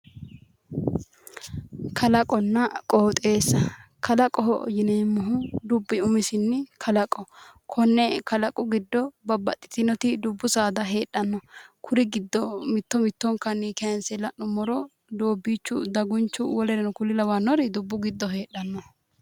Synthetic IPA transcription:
kʰɐlɐkʼɔnːɐkʼoːt̪ʼe̞ːsːɐkʰɐlɐkʼɔɦɔ̰jɪnɛmːɔɦʊd̪ʊbːɪʊmɪsɪnːɪkʰɐlɐkʼɔkʰɔnːɛkɐlɐkʼʊɡɪd̪ːɔbɐbːɐ̰t̪ʼːɪ̥t̪ɪnɔt̪ɪd̪ʊbːʊsaːd̪ɐɦe̞ːɗɐnːɔkʰʊɾɪɡɪd̪ːɔmɪt̪ːɔmɪt̪ːɔŋkɐniːkɛɐnsɛlːɐnʊmːɔɾɔ | d̪oːbːiːt͡ʃːʊd̪ɐɡʊnt͡ʃːʊwɔlɛɾɛnʊkʊlɪlɐwɐnːɔɾɪd̪ʊbːʊɡɪd̪ːɔɦe̞ːɗːɐnːɔ

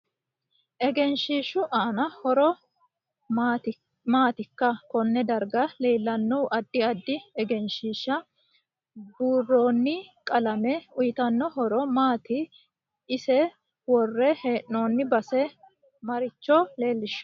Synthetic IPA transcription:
ʔɛɡɛnʃiːʃʊʔaːnɐhɔɾɔ | t̪ | maːt̪ɪkːɐkɔnːɛd̪ɐɾɡɐle̞ːlːɐnːɔwʔɐd̪ːɪɐd̪ːɪɛɡɛnʃiːʃːɐ | buːrːo̞ːnːɪkʼɐlɐmɛʊjɪt̪ɐnːɔɦɔɾɔmaːt̪ɪː | sɛ | wɔrːɛheːʔoːnːɪbɐsɛ | mɐɾɪt͡ʃːole̞ːlːɪʃːʊ̥

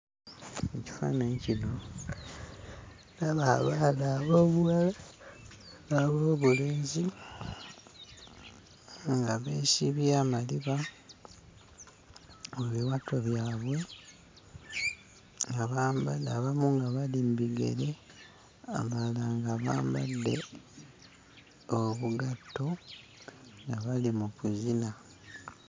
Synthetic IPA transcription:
eci̥fa̰neɲcino̞ | naβaa̰βalaːβo̞ːβuwala | aβoːβuleːɲzi | ŋɡaβeːʃiβjaːmaliβa | meβiwatʰo̞βjaːβwe̞ | ŋɡaβambadaβamuŋɡaβalimbiɡe̞̰ɾe̞ | a̰malaŋɡaβa̰ːmba̰d̪ːe̞̰ | oβuɡatːo̞ | ŋɡaβalimukuzina

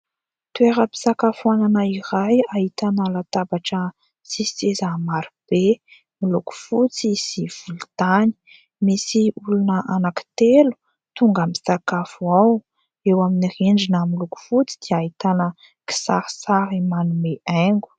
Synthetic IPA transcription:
t̪ueɾəpi̥sakafuananaiɾajahit̪anəlat̪abaʈ͡ʂə | sisezamaɾib̥e | miluku̥fut͡sz̥iv̥ulut̪ani̥ | misiulunəʔanaki̥t̪elu̥ | t̪uŋɡamisakafuaw | ewaminireɳɖ͡ʐinəmiluku̥fut͡sid̪̥iait̪anə | ki̥saɾsaɾimanumeʔaŋɡu̥

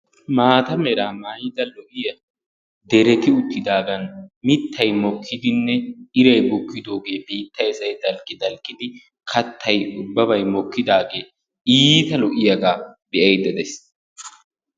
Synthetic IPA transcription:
maːt̪ɐmɛɾaːmajd̪ɐlɔʔɪjɐ | d̪ɛɾɛt̪ɪʊt̪ːɪd̪aːɡɐnmɪt̪ʰːɐjmɔkʰːɪd̪ɪnːɛɪɾɐjbʊkːɪd̪o̞ːɡe̞ːbiːt̪ʰːɐjsɐjd̪ɐlkʼːɪd̪ɐlkʼːɪd̪ɪ | kʰɐt̪ʰːɐjʊbːɐbɐjmɔkːɪd̪aːɡeː | iːt̪ɐlɔʔɪjɐɡaːbɛʔɐjd̪ɛd̪ɛs

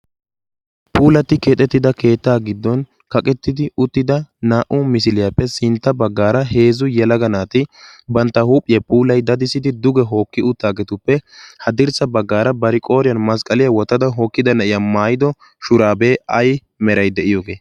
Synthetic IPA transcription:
pʰuːlɐt̪ːɪkeːt̪ʼːɛt̪ːɪd̪ɐke̞ːt̪ːaːɡɪd̪ːɔn | kɐkʼɛt̪ːɪd̪ɪʊt̪ːɪd̪ɐnaːʔʊmɪsɪlɪjapːɛsɪnt̪ːɐbɐɡːaːɾɐɦe̞ːzʊjɛlɐɡɐnaːt̪ɪbɐnt̪ːɐhuːpʼːɪjɐpʰʼuːlɐjd̪ɐd̪ɪsɪd̪ɪd̪ʊɡɛɦo̞ːkːɪʊt̪ːaːɡɛt̪ʊpːɛhɐd̪ɪɾsɐbɐɡːaːɾɐbɐɾɪkʼo̞ːɾɪjɐnmɐskʼɐlɪjɐwɔt̪ːɐd̪ɐɦoːkːɪd̪ɐnɐʔɪjamaːjɪd̪ɔ | ʃʊɾaːbeːɐj | mɛɾɐjd̪ɛʔɪjo̞ːɡe̞ː

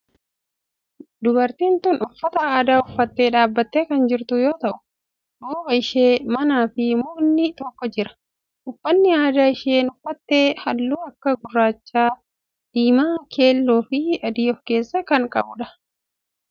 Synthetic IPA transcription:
d̪ʊbɐɾt̪iːnt̪ʊːnʊfːɐt̪ɐaːd̪aːʊfːɐt̪ːe̞ːᶑaːbːɐt̪ːe̞ːkɐnd͡ʒɪɾt̪ʊjo̞ːt̪ɐʔʊ̥ | ᶑuːbɐɪʃe̞ːmɐnaːfɪmʊnːɪt̪ɔkːɔd͡ʒɪɾɐ̥ | ʔʊfːɐnːɪaːd̪aːɪʃe̞ːnʊfːɐt̪ːe̞ːhɐlːuːɐkːɐɡʊrːaːt͡ʃːaː | d̪̥iːmaːkʰe̞ːlːoːfɪɐd̪iːɔfke̞ːsːɐkɐŋkʼɐ̰bʊᶑɐ̥

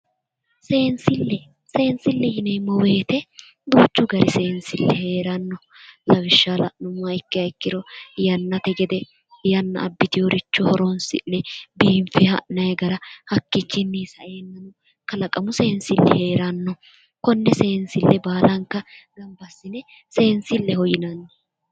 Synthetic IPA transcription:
seːnsɪlːɛ | seːnsɪlːɛhɪnɛjmɔwe̞ːt̪ɛ | d̪uːt͡ʃːʊɡɐɾɪseːnsɪlːɛhe̞ːɾɐnːɔ | lɐwɪʃːalɐ̰ʔnʊmːɐɪkːɪɐɪkːɪɾɔjɐnːɐt̪ɛɡɛd̪ɛ | jɐnːɐ̰ːbːɪt̪ɪjɔɾɪt͡ʃːɔhɔɾɔnsɪ̰nːɛbiːɱfɛɐ̰ʔnɐjɛɡɐɾɐhɐkːɪkːɪnːɛsɐ̰ʔeːnːɐnɔ | kɐlɐkʼɐmʊse̞ːnsɪlːɛhe̞ːɾɐnːɔ | kɔnːɛse̞ːnsɪlːɛbaːlɐŋkːɐɡɐmbɐsːɪnɛ | se̞ːnsɪlːɛhɔjɪnɐnːɔ

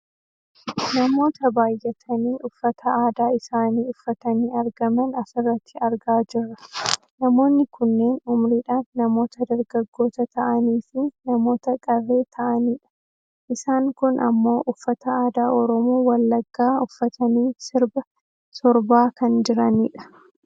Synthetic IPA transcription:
nɐmo̞ːt̪ɐbaːjːɛt̪ʰɐniːʔʊfːɐt̪ʰɐaːd̪aːɪsaːniːʊfːɐt̪ɐniːɐɾɡɐmɐnɐfɪrːɐt̪ʰːɪɐɾɡaːd͡ʒɪrːɐ | nɐmo̞ːnːɪkʊnːe̞ːnʊmɾiːᶑaːnːɐmo̞ːt̪ɐd̪ɐɾɡɐɡːo̞ːt̪ɐt̪ɐʔɐniːfɪnɐmo̞ːt̪ɐkʼɐrːe̞ːt̪ʰɐʔɐniːᶑɐ̥ | ʔɪsaːŋkʊnʔɐ̰mːo̞ːʔʊfːɐt̪ɐaːd̪aːɔɾɔmuːwɐlːɐɡːaːʊfːɐt̪ʰɐniːsɪɾbɐ | sɔɾbaːkɐnd͡ʒɪɾɐniːᶑɐ̥

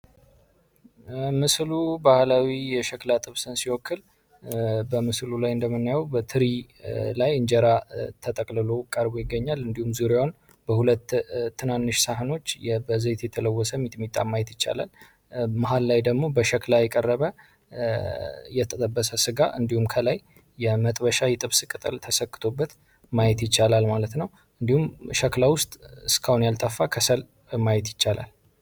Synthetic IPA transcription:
mɨslubahlawijɛʃəklat̪ʼɨβsɨnsiwɔkːɨl | bəmɨslulajɨnd̪əmːɨnːajɛwbət̪ʰɨɾilajɨɲd͡ʒɛɾat̪ʰət̪ʼəkʼlɨlo̞kʼəɾbojɪɡːəɲːalɨnd̪ihumzuɾjawn | bəhulət̪ʰːɨnanːɨʃsaɦɨno̞t͡ʃːjɛbəze̞t̪jɛt̪ʰələwːɔsəmːit̪ʼmit̪ʼːa̰mːajɛt̪jɪt͡ʃːa̰lə̰l | maɦalːajd̪əɡmo̞bəʃəklajɛkʼərːəβə | jɛt̪ʰət̪ʼəbːəsəsɨɡaʔɨ̰nd̪ihumkʰəlajː | ɛmət̪ʼbəʃajɛt̪ʼɨβsɨkʼɨt̪ʼɨlt̪ʰəsəkːɨ̥t̪ʰo̞bːət̪ | majɛt̪jɪt͡ʃːalalmalət̪nəw | ʔɨnd̪ihumʃəklawʊst̪ʼɨskʰahunjalt̪ʼəfːakʰəsəl | majɛt̪jɪt͡ʃːala̰l

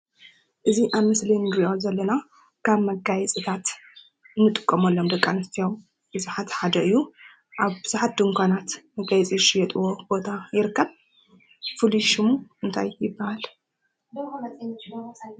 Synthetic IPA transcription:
ʔɨziʔaβmɨslinɨɾiʔozɐlːɐna | kʰaβmɐɡajɛt͡sʼit̪ʰat̪ | ɨnːɨt̪ʼɨkʼːɐmɐlːomd̪ɐkʼːanɐst̪ʰijaw | b̥ɨzuħat̪ħad̪ɐʔɨjːu | ʔaβbɨzuħat̪̚d̪ɨŋkʷʰanat̪mɐɡajɛt͡sʼiʃijɛt̪ʼɨwo̞b̥o̞t̪ʰajɪɾɨkʰːɐβ | fɨliʃɨmuʔɨnt̪ʰa̰jːɪbːahal

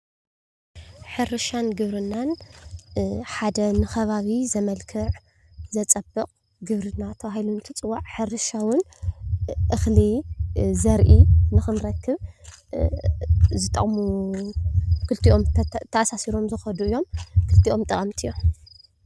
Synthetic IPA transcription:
ħɨrɨʃanɡɨβɾɨnːan | ħad̪ɐnɨxɐβaβizɐmɐlkʰɨʕ | zɐt͡sʼɐbːɨkʼ | ɡɨβɾɨnːat̪ʰɐβahilunɨt̪ʰɨt͡sʼɨwaʕħɨrɨʃawʊn | ʔɨxlizɐɾʔinɨxɨnɾɐkʰːɨβ | zɨt̪ʼːɐ̰χʼmu | kʰɨlt̪ʰiʔo̞mt̪ʰɐʔasasiɾo̞mzɨxɐd̪uɨjːo̞mkʰɨlt̪ʰiʔo̞mt̪ʼɐχʼɐmt̪ʰijːo̞m

